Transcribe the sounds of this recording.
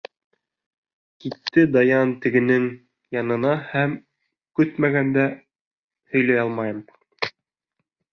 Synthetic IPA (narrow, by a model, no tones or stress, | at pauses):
kit̪ːɘd̪ɑjɑnt̪ɘ̆ɡɘ̆nɘŋ | jɑnɤ̆nɑhæm | kɵt̪mæɣænd̪æ | hɵ̆jlæjɑlˠmɑjɤm